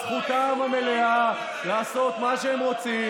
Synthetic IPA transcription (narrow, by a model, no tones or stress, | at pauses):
sχut̪amamelea | laːsot̪maʃeemʁot͡si